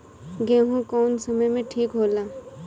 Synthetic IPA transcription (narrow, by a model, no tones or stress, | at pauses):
ɡẽːɦũkɔːnsɐməjmẽʈʰiːkɦoːlaː